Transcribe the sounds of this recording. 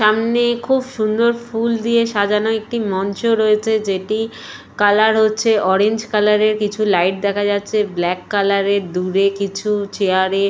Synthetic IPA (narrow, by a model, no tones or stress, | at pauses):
ʃamnekʰubʃund̪oɾfuld̪ieʃad̪ʱanoek̚ʈimɔnt͡ɕoɾoet͡ɕʰed͡ʑeʈi | kalaɾɦotːɕʰeʔɔɾeɲd͡ʑkalaɾeɾkit͡ɕʰulajʈ̚d̪ɛkʰad͡ʑatːɕʰeblɛkːalaɾeɾd̪uɾekit͡ɕʰut͡ɕeaɾe